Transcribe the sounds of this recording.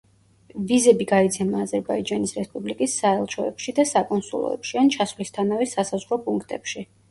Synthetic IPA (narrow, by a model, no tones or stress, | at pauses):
vizɛbiɡait̪sʰɛmaːzɛɾbaid͡ʒanisɾɛspʼublikʼisːaɛlˠʃʰɔɛpʃid̪asakʼɔnsṵlˠɔ̰ɛ̰pʃiant͡ʃʰasvlist̪ʰanavɛsasazʁɾɔpʼuŋkʰt̪ʼɛpʃi